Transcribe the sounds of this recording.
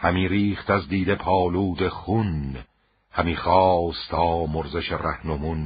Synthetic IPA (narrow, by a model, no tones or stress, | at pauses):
hæmiːɾiːχt̪æzd̪iːd̪e̞pʰɒːluːd̪eχun | hæmiːχɒːst̪ʰɒːmoɾzeʃeræhnomun